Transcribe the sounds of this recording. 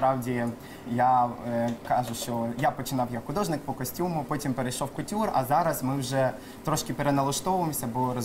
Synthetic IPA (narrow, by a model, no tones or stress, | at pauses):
pɾɑwdʲi | ja | kɑʒʊʃt͡ʃɔjapɔt͡ʃɪnɑwjɐkxʊd̪ɔʒnɪk̚pɔkɔsʲtʲumʊpɔtʲimpeɾejʃɔwkʊtʲurɐ̰zɑɾɐsmɪwʒɛ | t̪ɾɔʃkɪpeɾenɐlˠɐʃt̪ɔʋʊʋemsʲɐbɔɾɔ